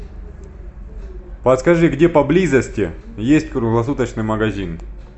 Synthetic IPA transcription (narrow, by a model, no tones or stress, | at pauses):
pɐt̪skɐʐɨɡdʲepɐblʲizəsʲtʲɪjesʲt̚ʲkɾʊɦlˠɐsut̪ət͡ɕnɨjmɐɡɐzʲin